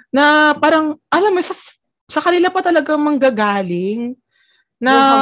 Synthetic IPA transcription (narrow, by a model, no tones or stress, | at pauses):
nɐpaːɾɐŋʔɐlamːosɐ | sɐkɐnɪlapɐt̪ɐlɐɡaŋmɐŋɡɐɡaːlɪŋ | nɐ